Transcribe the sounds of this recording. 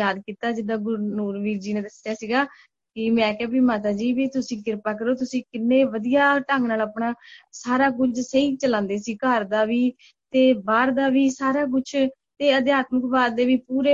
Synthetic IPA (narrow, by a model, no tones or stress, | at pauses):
jaːd̪kiːt̪aːd͡ʒɪd̪aːɡʊɾnuːɾʋiːɾd͡ʒiːneːd̪əsɪjaːsiːɡaː | kɪmɛ̃ːkaːbiːmaːt̪̬aːd͡ʒiːbiːt̪ʊsĩːkɪɾpaːkəɾoːt̪ʊsĩːkɪnːeːʋəd̪ijaːʈəŋɡnaːlapɳaːsaːɾaːkʊt͡ʃseiːt͡ʃəlãːnd̪eːsiːkəɾd̪aːʋiː | t̪eːbaːɾd̪aːʋiːsaːɾaːk̬ʊt͡ʃʰ | t̪eːəd̪jaːt̪məkbaːɾd̪eːʋiːpuːɾeː